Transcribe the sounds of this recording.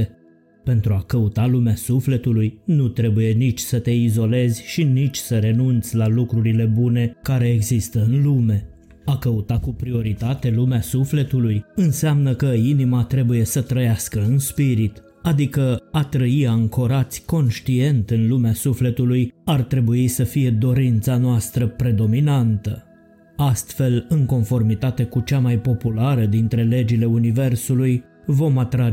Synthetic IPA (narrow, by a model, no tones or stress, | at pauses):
e | pe̞nt̪ɾuakəut̪alumeasufle̞t̪ulujnut̪ɾe̞buje̞nit͡ʃʲsət̪e̞izo̞le̞zʲʃinit͡ʃʲsəɾe̞nunt̪sʲlalukɾuɾile̞bune̞kaɾe̞ːɡzist̪əɨnlume̞ | akəut̪akupɾio̞ɾit̪at̪e̞lumeasufle̞t̪ulujɨnseamnəkəinimat̪ɾe̞buje̞sət̪ɾəjaskəɨnspiɾit̪ | ad̪ikəat̪ɾəiaɨŋko̞ɾat̪sʲko̞nʃt̪ie̞nt̪ɨnlumeasufle̞t̪ulujart̪ɾe̞buisəfije̞d̪o̞ɾint̪sanoast̪ɾəpɾe̞d̪o̞minant̪ə | ast̪fe̞lɨŋko̞nfo̞rmit̪at̪e̞kut͡ʃamajpo̞pulaɾəd̪int̪ɾe̞le̞d͡ʒile̞unive̞rsuluj | vo̞mat̪ɾa